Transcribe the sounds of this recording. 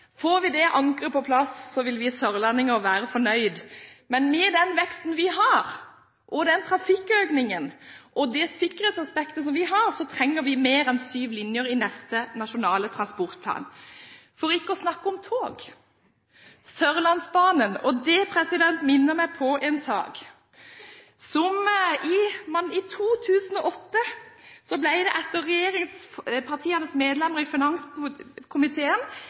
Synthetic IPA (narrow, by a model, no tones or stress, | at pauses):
foːɾʋɪd̪ɛʔɑŋkʁəpʰɔpʰlɑsːɔʋɪlʋɪsœɾlɑnɪŋəɔʋæːɾəfɔɳœʏd̪mɛnmɛd̪ɛnʋɛkst̪n̩ʋɪɦɑɾ | ʔɔd̪ɛnt̪ʰɾɑfɪkːøːknɪŋənʔɔd̪ɛsɪkːəɾɛːt̪sɑspɛkt̪əsɔmʋɪɦɑɾsɔt̪ʰɾɛŋːəʋɪmeːɾɛnsyːʋlɪnjəɾɪnɛst̪ənɑʃʊnɑːlət̪ʰɾɑnspɔʁt̪̚pʰlɑ̰ːnfɔɾɪkːəɔsnɑkːəɔmt̪ʰoːɡ | sœɾlɑnsbɑːnənɔd̪ɛpʰɾɛsɪd̪ɛnt̪mɪnːəʁmæɪpʰɔʔɛnsɑ̰ːɡ | sɔmɪmɑnɪt̪ʰuːt̪ʰʉːsən̩ɔʔɔt̪ːəsɔblæɪd̪ɛʔɛt̪ːəʁːɛjeːɾɪŋspʰɑʁt̪ʰiːənəsmeːd̪lɛməʁɪfɪnɑŋskʰʊmɪt̪ʰeːən